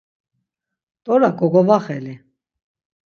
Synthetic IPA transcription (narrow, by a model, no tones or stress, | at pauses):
t̪ʼɔɾakʼɔɡɔvaχɛli